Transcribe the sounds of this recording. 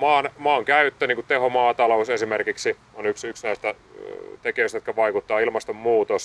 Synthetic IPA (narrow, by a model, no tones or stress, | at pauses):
mɑːnmɑːŋkæyt̪ːøniːŋkutt̪ehomɑːt̪ɑlousesimerkiksi | onyksyksnæist̪æ | t̪ekijøˑst̪jot̪kɑæʋɑikut̪ːɑːilmɑst̪ommuːt̪os